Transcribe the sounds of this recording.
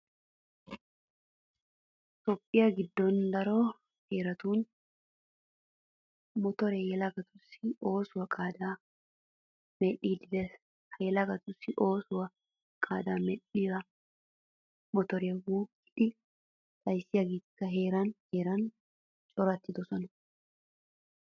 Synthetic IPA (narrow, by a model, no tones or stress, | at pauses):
t̪ɔpʼːɪjaɡɪd̪ːond̪ɐɾoː | heːɾɐt̪uːn | mɔt̪ɔɾɛjɛlɐɡɐt̪ʊsɪo̞ːsʊwɐkʼaːd̪aː | mɛʔiːd̪ɪd̪ɛ | hɐjɛlɐɡɐt̪ʊsɪʔoːsʊwɐ | kʼaːd̪aːmɛᶑiːɾɐ | mɔt̪ɔɾɛwuːɡɪᶑɪ | t̪ʼɐjsɪjɐɡikːɐɦeːɾɐnheːɾɐn | t͡ʃʼɔɾɐt̪ːɪd̪ɔsɔnɐ